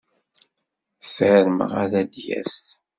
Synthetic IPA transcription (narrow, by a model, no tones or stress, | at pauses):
sʕəɾmə̰ʁæðæd̪jæ̰s